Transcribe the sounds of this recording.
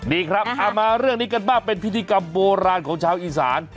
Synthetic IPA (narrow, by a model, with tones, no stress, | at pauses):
diː˨˧kʰɾa˦˥p̚ʔa˧maː˧ɾɯ˥˩əŋniː˦˥ka˧nbaː˥˩ŋpe˧npʰi˦˥t̪ʰiː˧ka˧mboː˧ɾaː˧nkʰɔː˩˦ŋt͡ɕʰaː˧wʔiː˧sa̰ː˩˦n